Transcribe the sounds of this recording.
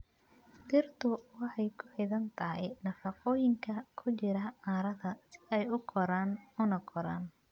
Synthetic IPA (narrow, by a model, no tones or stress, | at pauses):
t̪ɪrt̪ʰʊwɑħɑjkʰʊħɪðɐnt̪ʰɐɦɪnɐfɑqɔːjɪŋkʰɐkʰʊt͡ʃɪɾɐaːɾɐðɐsɪ̥ðɛjʊɡʰɔɾaːnʊnɐɡɔɾa̰ːn